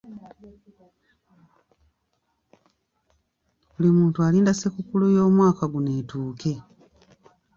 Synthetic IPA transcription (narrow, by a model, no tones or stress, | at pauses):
βulimuːntualiːndasekukulujo̞ːmwaːkaɡune̞ːtuːke̞